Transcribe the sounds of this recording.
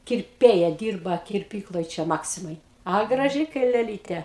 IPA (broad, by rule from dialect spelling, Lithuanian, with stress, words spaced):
kʲɪrʲˈpʲeːjɛ ˈdʲiːrbɐ kʲɪrʲˈpʲiːklˠoːj ˈt͡ʃʲɛ ˈmɑːksʲɪmɐj ɐ ɡrɐˈʒʲɪ kɐɪ lʲɛˈlʲiːtʲeː